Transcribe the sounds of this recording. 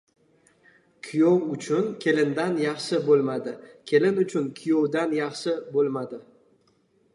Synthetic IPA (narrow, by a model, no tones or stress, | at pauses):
kʲʰijowʊt͡ʃʰʊnkʲʰe̞lɪnd̪anjɑχʃɪbolˠmad̪ɪkʲʰe̞lɪnʊt͡ʃʰʊnkʲʰʊjowd̪anjɑχʃɪbolˠmad̪ɪ